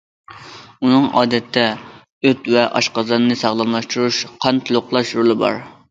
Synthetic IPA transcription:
unɨŋɑ̰ːd̪ɛt̪ʰːɛ | øt̪vɛʔɑʃqɑzɑnɨnɨsɑʁlˠɑmlˠɑʃt̪uɾuʃqʰɑnt̪ʰulˠʊqlˠɑʃɾolˠɨbɑ̰ɾ

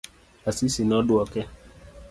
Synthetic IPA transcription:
asisinɔdʊɔkɛ

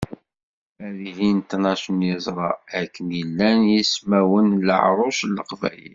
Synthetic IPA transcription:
æɾiɦint̪ənɑʃənjəzˤɾˤɑækːənjəlːænjismæwənlə̰ʕɾˤoslːəqvæ̰jḭl

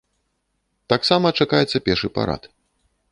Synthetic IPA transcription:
t̪aksamɐt͡ʂakajɛt̪sːɐpʲɛrʂɨpa̰ɾa̰t̪

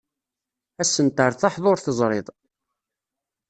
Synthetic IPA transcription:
æsːənt̪əɾθaħðˤʊɾθəzˤɾˤeðˤ

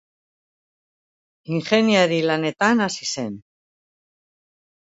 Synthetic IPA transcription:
iŋxenjaɾilanet̪anasisen

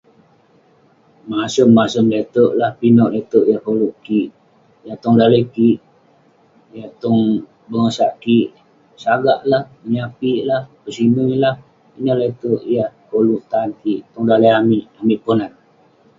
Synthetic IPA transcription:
masəmːasəmlet̪oʔlahpinɔʔlet̪oʔjahkoluʔkiʔ | jat̪ɔŋdaləjkiʔ | jat̪ɔŋ | bəŋəsaʔkiʔ | saɡaʔlahməɲapiʔlahpəsinulah | pinɔʔlet̪oʔjahkoluʔt̪ankiʔt̪ɔŋdalajamiʔamiʔponan̚

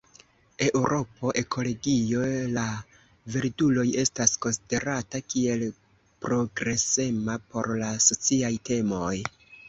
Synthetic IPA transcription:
e̞ʔwɾo̞po̞ʔe̞kʰo̞lo̞ɡio̞la | veɾdulo̞je̞stasko̞nside̞ɾatakie̞l | pɾo̞ɡɾe̞se̞mapo̞̰ɾlaso̞t͡siajte̞mo̞j

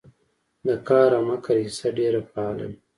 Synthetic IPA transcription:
d̪əkɑːɾamakaɾisaɖeɾapɑːlḛm

